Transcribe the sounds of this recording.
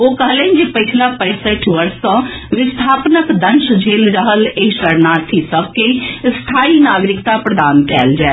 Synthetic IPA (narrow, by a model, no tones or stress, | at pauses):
oːkəɦlɛ̃nd͡ʒepət͡ʃʰlapə̃ɪsəʈʰʋəɾsã | ʋɪst̪ʰaːpnəkd̪ənʃd͡ʒʱeːlɾəɦəleːʃəɾnaːt̪ʰisəb̚ʱkest̪ʰaːinaːɡɾɪkt̪apɾəd̪aːnkɛ̰ːld͡ʒaɛ